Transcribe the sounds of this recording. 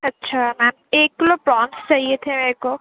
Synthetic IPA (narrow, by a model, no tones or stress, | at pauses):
ɐtːʃʰamɛːmeːkːlopɾɔ̃ːnst͡ʃaɦiet̪ʰemeɾeko